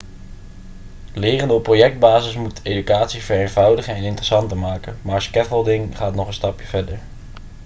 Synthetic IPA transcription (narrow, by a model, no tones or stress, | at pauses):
lɪːrəndəɔpːrojɛk̚d̚baːzɪsmutejdykaːtsiv̥əɹeːnvʌwdəχənɛnɪntərə̥sɑntəɹmaːkənmaːɹskɛfəlˠdɪŋχaːtnɔχənstɑpjəv̥ɛɹdəɹ